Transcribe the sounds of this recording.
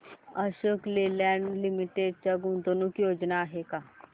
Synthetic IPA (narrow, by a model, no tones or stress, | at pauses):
əʃoːklelaːnlɪmiʈeɖ̚t͡ʃɐɡũnd̪onũkjoːd͡ʒnaɦekaː